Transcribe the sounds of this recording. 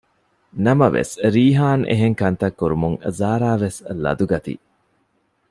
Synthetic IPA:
nɐmɐʋḛsɾiːɦaːnʔḛɦeŋkɐnt̪ɐkːuɾumuŋzaːɾaːʋeslɐ̰d̪uɡɐt̪ḭ

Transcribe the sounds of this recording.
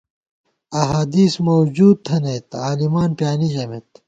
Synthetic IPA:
ɐɦaːd̪iːsmowd͡ʑuːd̪̚t̪ʰɐnejt̪aːlimaːnpjaːniɕɐmet̪

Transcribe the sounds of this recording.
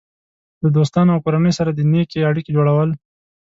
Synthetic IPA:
d̪əd̪ost̪ɑnoawkoɾanəjsaɾad̪ənekeaɽikid͡ʒoɽawəl

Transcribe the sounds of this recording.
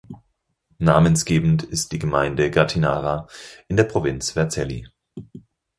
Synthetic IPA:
naːmənsɡ̥eːbm̩n̩tɪst̚d̥iːɡəmaɪndəɡaɐtʰinaːʁaʔɪndeːɐpʁ̥ovɪnt͡sv̥ɛɐt͡sɛli

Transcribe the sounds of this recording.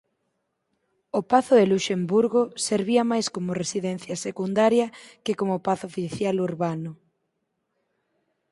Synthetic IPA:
opaθʊeluʃembuɾɣoseɾβ̞iɐmajskomʊresiðɛn̟θjɐsekund̪aɾjɐkekomopaθʊofiθjaluɾβanʊ

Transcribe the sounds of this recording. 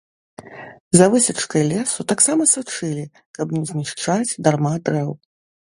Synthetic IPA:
zavɨsʲɐt͡ʂkɐjlʲɛsut̪aksamɐsat͡ʂɨlʲi | kɐbnʲɛzʲnʲiʂt͡ʂad͡zʲd̪armad̪ɾɛw

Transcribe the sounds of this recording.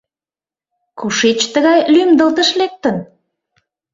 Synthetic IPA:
kuʃet͡ɕt̪əɣɑjlymd̪əlt̪əʃlek̚t̪ən

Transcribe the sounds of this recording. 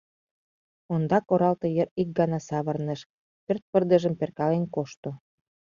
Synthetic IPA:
ond̪ɑkoɾɑlt̪ɤ̆jəɾik̚ɡɑnɑsɑβə̆rnə̆ʃ | pørt̪̚pərd̪ə̆ʒə̆mperkɑlenkoʃt̪o

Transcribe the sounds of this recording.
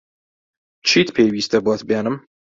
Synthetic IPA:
t͡ʃʰiːt̪pʰejwiːst̪ɐbwat̪bjaːnɨm

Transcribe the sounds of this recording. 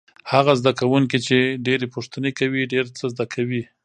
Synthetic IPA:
haɣazd̪akawuŋkit͡ʃeɖeɾepʊʂt̪ənekawiɖeɾt͡səzd̪akʰawi

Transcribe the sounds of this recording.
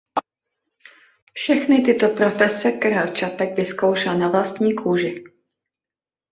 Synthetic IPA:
fʃɛxnɪt̪ɪt̪o̞pɾo̞fɛsɛkaɾalt͡ʃapɛɡvɪskowʃɛlnavlast̪ɲiːkʰuːʒɪ

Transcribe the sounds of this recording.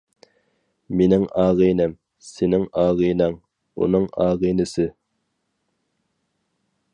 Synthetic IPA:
menɪŋɑːʁijnɪm | sɪnɪŋɑːʁijnɑŋ | ṵnɨŋɑːʁijnɪsɪ

